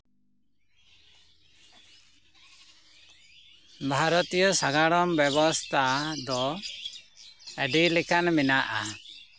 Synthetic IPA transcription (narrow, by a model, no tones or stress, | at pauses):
bʱaɾɔt̪ijɔsaɡaɽɔmbɛβɔst̪ʰad̪ɔ | ɛɖilikanminaʔa